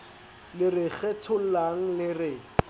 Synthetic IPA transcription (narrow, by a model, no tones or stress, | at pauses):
lɪrɪχɛtʰʊl̩laŋ̩lɪrɪ